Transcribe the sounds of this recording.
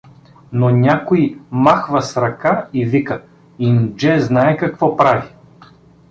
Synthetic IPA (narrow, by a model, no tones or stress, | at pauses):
nonʲakoimaxvɐsɾɐkaivikə | ind͡ʒɛznaɛkɐkvɔpɾavi